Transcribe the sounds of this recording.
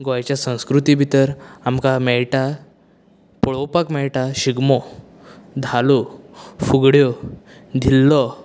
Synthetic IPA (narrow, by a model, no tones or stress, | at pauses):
ɡɔjat͡ɕjasə̃w̃skɾut̪ibʱit̪əɾamkamɛɭʈa | pɔɭɔpakmɛɭʈaɕiɡmɔ | d̪ʱalufuɡɽjɔd̪ʱilːɔ